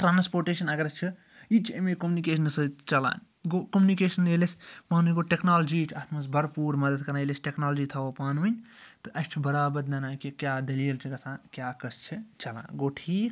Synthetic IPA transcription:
ʈɾaːnspoːɾʈeːʃɐnɐɡɾɐst͡ʃʰi | it͡ʃʰemekomunikeːʃənɨsɐt͡ʃɐlã̰ːn | ɡokomunikeːsɐnelespaːnunʲɡoʈeknaːld͡ʒit͡ʃʰaːt̪ʰmɐsbɐɾpuːɾmɐd̪əd̪kɐɾnaelesʈeknaːld͡ʒit̪ʰɐʋopaːnunʲ | t̪ɨʔɐst͡ʃʰibɐɾaːbɐɾd̪ɐnãːkikjaːd̪ɐlijelt͡ʃʰiɡɐsãːkjaːkɐst͡ʃʰit͡ʃɐlã̰ːɡoːʈʰiːk

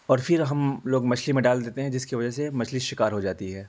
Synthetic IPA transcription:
ɔːɾfɪɾɦɐmloːɡmɐt͡ʃʰlimẽɖaːld̪eːt̪eɦɛ̃d͡ʒɪskiʋɐd͡ʒəɦsemɐt͡ʃʰliʃɪkaːɾɦod͡ʒaːt̪iɦɛː

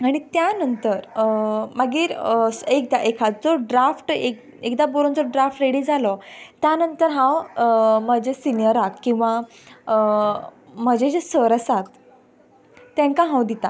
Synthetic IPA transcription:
aɽ̃it̪janənt̪əɾməɡiːɾsek̚d̪aʔekʰat͡sd͡zɔɖɾafʈek | ekd̪aboɾond͡zɔɖɾafʈɾeɽid͡zalɔt̪janənt̪əɾɦãwəməd͡ʑesinijəɾakkːĩw̃ʋa | ə | m̤əd͡ʑed͡ʑesəɾəsat̪ | jãŋkaɦãwd̪it̪a

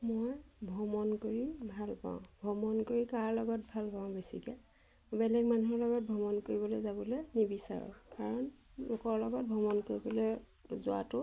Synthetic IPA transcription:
mojbʱɔmɔnkoɹibʱalpã̰ʊ̃bʱɔmɔnkoɹikaɹlɔɡɔtbʱalpãʊ̃besḭkɛ | bɛlɛɡmanuɦɔɹlɔɡɔt̚bʱɔmɔnkoɹibɔlojzabɔlenibisa̰ɹɔ̰̃kaɹɔnlokɔɹlɔɡɔt̚bʱɔmɔnkoɹibɔle | zʊa̰tʊ

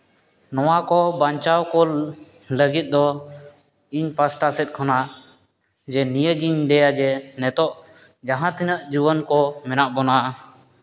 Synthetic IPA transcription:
nɔwakɔbaɲt͡ʃawkɔl | ləɡit̪̚ˀd̪ɔ | iɲpasʈasɛt̪̚ˀkʰɔna | d͡ʒɛnijəd͡ʒiɲɖɛjad͡ʒɛnɛt̪ɔʔ | d͡ʒaɦãt̪inəʔd͡ʒubənkɔmɛnaʔbɔnaʔ

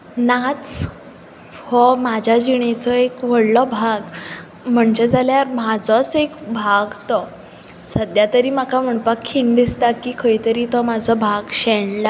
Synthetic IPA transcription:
nat͡s | hɔmad͡ʑʱjad͡ʑiɳ̃et͡sɔekʋəɽlɔbʱaɡ | m̤əɳd͡ʑed͡zaljaɾmad͡zɔt͡sekbʱaɡt̪ɔ | səd̪jat̪əɾiːmakam̤əɳpakʰːiɳd̪ist̪akiːkʰəjit̪əɾiːt̪ɔmad͡zʱɔbʱaɡɕɛɳla

